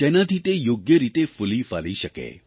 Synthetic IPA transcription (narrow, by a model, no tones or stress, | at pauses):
t̪enat̪ʰit̪ejoɡjəɾit̪efulifa̰liʃəkḛ